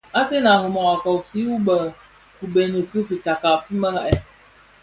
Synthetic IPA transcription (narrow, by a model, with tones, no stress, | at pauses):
a˦se˦na˨ɦɨ˨mɔ˨a˨ka˨si˦wu˦bə˨ | ku˨be˨nɨ˨kɨ˦fɨ˨t͡ʃa˨ka˨fɨ˦mə˦la˨ʔɛ˦